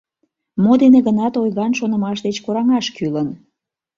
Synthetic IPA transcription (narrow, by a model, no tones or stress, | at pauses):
mod̪eneɣənɑt̪ojɣɑnʃonəmɑʃd̪et͡ɕkoɾɑŋɑʃkylən